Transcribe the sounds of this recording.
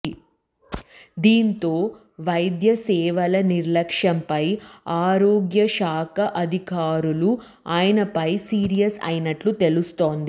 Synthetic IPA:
d̪iːnt̪o̞ː | ʋɐjd̪jɐsɛːʋɐlɐniɾlɐkʂɐmpɐjaːɾoːɡjɐʃaːkɐʔɐd̪ʱikaːɾulu | aːjɐnɐpɐjsiːɾijɐsɐ̰jnɐʈlut̪e̞lust̪o̞ːnd̪i

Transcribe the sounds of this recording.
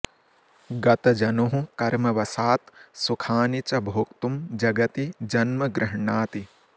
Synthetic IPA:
ɡɐt̪ɐd͡ʒɐnoɦũkɐɾmɐʋɐsaːt̪sukʰaːnit͡ʃɐbʱoːkt̪umd͡ʒɐɡɐt̪id͡ʒɐnmɐɡɾɪɦɳaːt̪i

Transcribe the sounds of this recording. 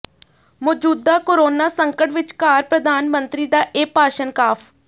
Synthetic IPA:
moːd͡ʒuːd̪ːaːkoɾoːnaːsəŋkəʈʋɪt͡ʃkaːɾpɾəd̪aːnmənt̪ɾiːd̪aːʔeːpaːʃənkaːpʰ

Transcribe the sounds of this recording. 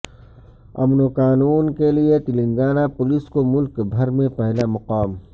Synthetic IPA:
ɐ̰mnokaːnuːnkeliet̪ɪlɪ̃ŋɡaːnapʊlɪskomʊlkbʱɐɾmẽpɛɦlamɐqaːm

